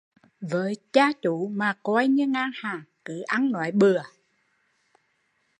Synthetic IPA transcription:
vəː˨˦jt͡ɕaː˧t͡ɕu˧˨˦maː˨˩kwa˧jɲɨ˧əŋaː˧ŋhaː˨˩ŋkɨ̰˧˩ʔa˧nːwa̰ː˧˨˦jɓɨ˨˩ə

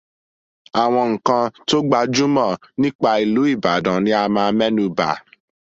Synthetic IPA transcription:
a˨w̃ɔ̃˧ŋ̩˨kã˧to˦ɡ͡ba˧d͡ʒu˦mã˦˨nĩ˦k͡pa˧i˨lu˨˦i˦˨ba˨dã˨nĩ˨˦a˧mãː˧mɛ˦nũ˧˦ba̰˨

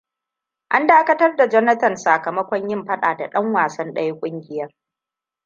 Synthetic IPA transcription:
ʔa˦ndaː˦kɐ˦tɐ˦rda˨d͡ʒɐ˦nɐ˦tɐ˨nsaː˨kɐ˨mɐ˦kʷɔ˦ɲjɪ˦mɸɐ˦ɗaː˨da˨ɗɐ˦ŋwaː˨sɐ˦nɗɐ˦jkʷʼʊ˦ŋɡʲɪ˨jɐ˦r

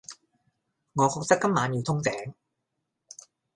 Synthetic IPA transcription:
ŋɔː˨˧kʰɔː˧k̚t̪ɐ˥kːɐ˥mːaː˨˧njiː˨˧wt̪ʰʊ˥ŋt͡sɛː˨˦˥ŋ

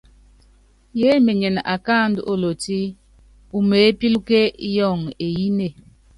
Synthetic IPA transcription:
je˨˦me˨ɲe˨na̰˨kaː˦˨n˦du˦o˦lo˨ti˦ | u˨me˨˦pi˦lu˦ke˦jɔ˦˨ŋe˨ji˦ne˦˨

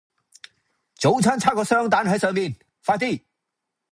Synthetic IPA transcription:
t͡ɕo˨wt͡ɕʰa˦nt͡sʰa˦kɔ˧sɾɔ˦ŋt̪̬a˨˦nɦə˧˦jsə˧min | fa˧t̪i˦

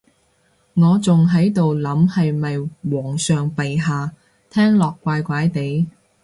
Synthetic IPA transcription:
ŋɔː˨˧t͡sʊ˨ŋɦɐ˨˥jt̪o˨wlɐ˨˥mhɐ˨jmɐ˨jwɔː˨˩ŋsœː˨ŋpɐ˨jɦaː˨ | t̪ʰɛː˥ŋlɔː˨kːʷaː˧jkʷaː˨˥jt̪e˨˥j

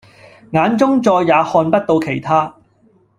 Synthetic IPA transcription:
ŋaː˨˧nt͡sʊ˥ŋt͡sɔː˧jːaː˨˧hɔː˧npɐ˥t̚t̪o˧wkʰe˨˩jt̪ʰaː˥

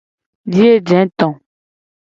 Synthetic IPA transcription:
d͡ʒi˦e˦d͡ʒɛ̃˨˦t̪ɔ̃˨

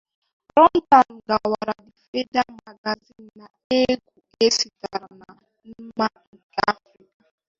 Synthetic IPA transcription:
ɾɔ˦n̩˦ta˨n̩˨ɡa˨wa˨ɾa˨dɪ˨fe˦da˦ma˨ɡa˨zi˦n̩˨na˨ | e˦ɡʷu˨ | e˦si˨ta˨ɾna˨ | m̩˦ma˦ŋ̩˨ka̰˦fɾi˦ka˨

